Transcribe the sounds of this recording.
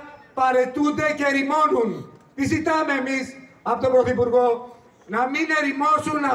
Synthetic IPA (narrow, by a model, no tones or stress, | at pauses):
pɐɾe̞t̪und̪ece̞ɾimo̞nun | izit̪ɐme̞ːmis | ɐot̪obɾoθipuɾɣo̞ | nɐmine̞ɾimo̞sunːɐ